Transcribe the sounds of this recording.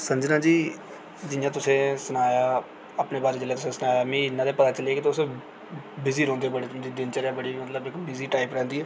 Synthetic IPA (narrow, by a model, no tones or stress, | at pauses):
səɲd͡ʒnãːd͡ʒiː | d͡ʒɪjãːt̪ʊsẽːsənaːjaː | əpneːbaːɾed͡ʒəlːeːt̪ʊsẽːsənaːjaːmĩːɪnːãːd̪eːpət̪aːt͡ʃəleaːkɪt̪ʊs | bɪziːɾõːnd̪eːbəɽeːd̪iːd̪ɪnt͡ʃəɾɛːbəɽiːmət̪ləbɪkbɪziːʈaːipɾɛ̃ːnd̪iːɛː